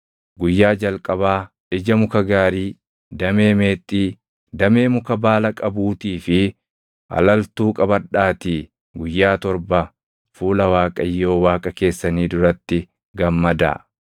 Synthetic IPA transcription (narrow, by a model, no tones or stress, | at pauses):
ɡʊjːaːd͡ʒɐlkʼɐbaː | ᶑɪd͡ʒɐmʊkɐɡaːɾiː | d̪ɐmeːme̞ːt̪ʼːiː | d̪ɐme̞ːmʊkɐbaːlɐkʼɐbuːt̪iːfɪ | ʔɐ̰lɐlt̪uːkʼɐbɐᶑːaːt̪iː | ɡʊjːaːt̪ɔɾbɐ | fuːlɐwaːkʼɐjːo̞ːwaːkʼɐke̞ːsːɐniːd̪ʊɾɐt̪ːɪ | ɡɐmːɐd̪ɐ̰